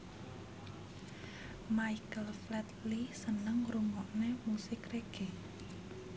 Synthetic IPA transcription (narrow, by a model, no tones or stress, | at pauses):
majkəlflɛt̪lisənəŋruŋɔʔnemusɪkreɡ̥e